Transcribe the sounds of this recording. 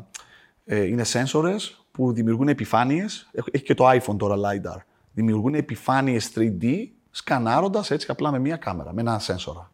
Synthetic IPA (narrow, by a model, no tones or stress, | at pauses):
eine̞se̞nso̞ɾe̞s | puðimiuɾɣunepifɐnie̞seeçi̥ce̞t̪oɐjfont̪o̞ɾɐlɐjd̪ɐ̰ɾ | ðimiuɾɣunepifɐnie̞st̪ɾid̪i | skɐnɐɾo̞nd̪ɐse̞t͡si̥ɐplɐme̞miɐkɐme̞ɾɐ̰me̞nɐse̞nso̞̰ɾɐ